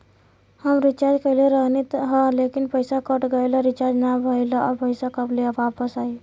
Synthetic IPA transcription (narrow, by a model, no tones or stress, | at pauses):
həmɾit͡ʃad͡ʒkəɪleɾəɦnit̪ɦə̃lekinpəjsakəʈɡəjlɔɾit͡ʃad͡ʒnabʱəɪlaʔɔɾpəjsakəblebapəsai